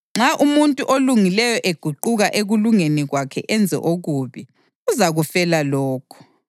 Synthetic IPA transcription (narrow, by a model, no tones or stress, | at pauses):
ŋ͡ǁʱaʔumuntʼuʔoluŋilɛjɔʔeɡ̥ʱuǃuɣaʔeɣuluŋeniɣwakʰɛ̰ʔɛnd͡zʱɛ̰ʔoɣuβi | uzaɣufɛlalɔːkʰɔ̥